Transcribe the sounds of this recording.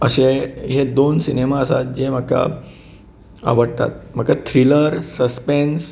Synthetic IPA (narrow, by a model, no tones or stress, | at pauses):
əɕeɦed̪onsinemaəsat̪̚d͡ʑem̤əkːa̰ | a̰ʋəɽt̪a̰t̪̚m̤əkat̪ʰɾiləɾsəspens